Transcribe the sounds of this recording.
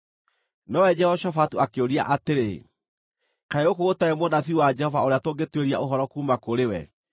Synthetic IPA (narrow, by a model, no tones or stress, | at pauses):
nɔwɛd͡ʒɛhɔʃɔfatuakeoɾia̰ʔateɾe | kaeokootaɛmwodaθiuwad͡ʒɛhɔvaoɾeatoɡetweɾia̰oɦɔɾɔkuːmakoɾewɛ̰